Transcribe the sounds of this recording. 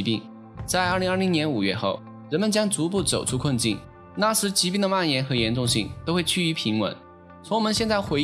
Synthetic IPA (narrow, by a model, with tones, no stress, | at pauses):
pi˥˩ŋ | t͡sa˥˧ɪə˞˥˩li˧˥ŋə˞˥˩i˧˥ŋnjɛ˧˥nu˨˩ɥɛ̰˥˧xo̰˥˩ʊ | ɻə˧˥nmə˨nt͡ɕjɑ˥ŋt͡su˧˥p̬u˥˩t͡so˨˩ʊʈ͡ʂʰu˥kʰə˥˧nt͡ɕḭ˥˩n | na˥˩ʂɻ̩˧˥t͡ɕi˧˥pi˥˩ŋd̪ə˩ma˥˩njɛ˧˥nxɤ˧˥jɛ˧˥nʈ͡ʂʊ˥˧ŋɕḭ˥˩ŋt̪o˥ʊxwe˥˧ɪt͡ɕʰy˥˩y˧˥pʰi˧˥ŋwə̰˧˥˦n | t͡sʰʊ˧˥ŋwɔ˨˩mə˦nɕjɛ˥˧nt͡sa˥˩ɪxwe˧˥